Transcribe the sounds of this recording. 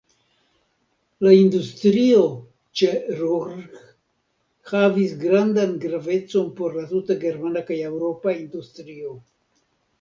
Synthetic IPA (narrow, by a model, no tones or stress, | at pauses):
laindustɾio̞ | t͡ʃeɾuɾɡ | havis̬ɡɾandanɡɾave̞t͡so̞npo̞ɾlatutaɡe̞ɾmanakajewɾo̞paindustɾio̞